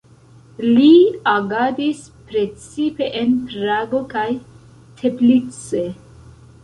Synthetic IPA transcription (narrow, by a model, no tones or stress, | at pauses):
liaɡadis | pɾe̞t͡sipe̞ʔenpɾaɡo̞kaj | tʰe̞blit͡se